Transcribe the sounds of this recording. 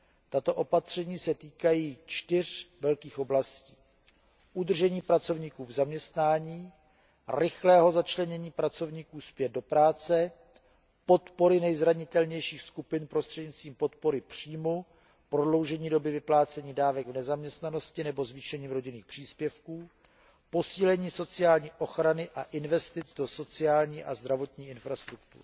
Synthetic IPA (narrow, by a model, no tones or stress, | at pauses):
t̪at̪o̞ʔo̞pat̪r̝̥ɛɲiːsɛt̪iːkajiːt͡ʃt̪ɪr̝vɛlkiːxoblasciː | ʔud̪r̩ʒɛɲiːpɾat͡so̞vɲiːkuːvzamɲɛst̪naːɲiː | rɪxlɛːɦo̞zat͡ʃlɛɲɛɲiːpɾat͡so̞vɲiːkuːspjɛd̪̚do̞pɾaːt͡sɛ | po̞t̪po̞ɾɪnɛjzɾaɲɪt̪ɛlɲɛjʃiːxskupɪnpɾost̪r̥ɛdɲɪst̪viːmpo̞t̪po̞ɾɪpr̝̥iːmu | pɾodlo̞wʒɛɲiːdo̞bɪvɪplaːt͡sɛɲiːdaːvɛɡvnɛzamɲɛst̪nano̞scɪnɛbo̞zviːʃɛɲiːmɾo̞ɟɪniːxpr̝̥iːspjɛfkuː | po̞siːlɛɲiːso̞t͡sɪjaːlɲiːʔo̞xɾanɪʔaʔɪnvɛst̪ɪt͡sdo̞so̞t͡sɪaːlɲiːʔazd̪ɾavo̞t̪ɲiːɪnfɾast̪ɾuk̚t̪ṵɾ